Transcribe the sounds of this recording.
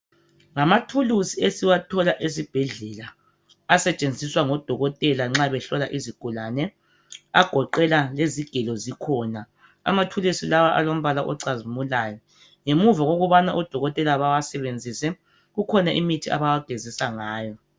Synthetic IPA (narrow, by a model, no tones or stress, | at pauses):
ŋamatʰulusiesiwatʰɔlaʔesib̥ʱɛɮɛlaː | sɛt͡ʃʼend͡zʱiswaŋɔd̥ʱɔɣɔtʼɛlaŋ͡ǁaβɛɬɔlaʔiziɡ̥ʱulanɛ | aɡ̥ʱɔǃɛlaleziɡ̥ʱɛlɔzikʰɔːna | a̰matʰulusilawaʔa̰lom̩βalaʔɔǀazimulajɔ | ŋemuvaɣoɣuβanaʔɔd̥ʱɔɣɔtʼɛlaβawasɛβend͡zʱisɛ | ɣukʰɔnaʔḭmitʰiʔa̰βawaɡ̥ʱezisaŋaːjɔ